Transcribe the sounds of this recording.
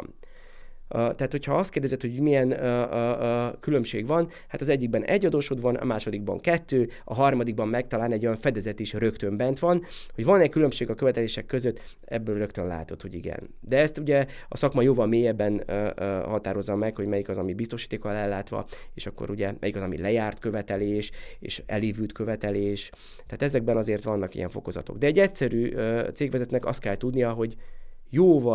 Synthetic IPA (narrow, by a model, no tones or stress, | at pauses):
t̪ɛɦaːt̪ho̞cʰhɒɒst̪keːrd̪ɛzɛt̪ho̞ɟuɟmijɛn | kylø̞mʃḛːɡvɒn | hat̪ɒzɛɟːiɡ̚bɛnɛ̰ɟːɒd̪oːʃod̪ʋɒnɒ̰maːʃo̞d̪iɡ̚bɒ̰ŋkɛt̪ːøːɒ̰ɦɒrmɒd̪iɡ̚bɒmːɛk̚t̪ɒlaːnɛɟːo̞jɒɱfɛd̪ɛzɛt̪iʃrø̞kt̪ø̞mbɛnt̪ʋɒnho̞ɟvɒnɛckylø̞mʃeːɡɒkøvɛt̪ɛleːʃɛkːøzøt̪ː | ɛbːøːlrø̞kt̪ønla̰ːt̪o̞t̪ho̞ɟiɡɛ̰n | d̪ɛɛst̪uɟɛɒ̰sɒkmɒjoːvɒlmeːjɛbːɛnhɒt̪aːɾo̞zːɒmɛkho̞ɟmɛjikɒzɒmibist̪o̞ʃiːt̪eːkɒlɛlːaːt̪ʋɒ̰eːʃɒkːo̰ɾuɟɛmʔɛjikɒzɒmḭlɛjaːrt̪kø̞vɛt̪ɛleːʃḛːʃɛ̰leːvylt̪køvɛt̪ɛleːʃ | t̪ːɛːt̪ɛzɛɡ̚bɛnɒzeːrt̪ʋɒnːɒkḭjɛɱfo̞̰ko̞zɒ̰t̪o̞̰ɡd̪ɛːɟːɛcsɛɾyːt̪seːɡʋɛzɛt̪nɛkɒ̰st̪kɛlt̪ud̪nijɒɦo̞ɟjoːvɒ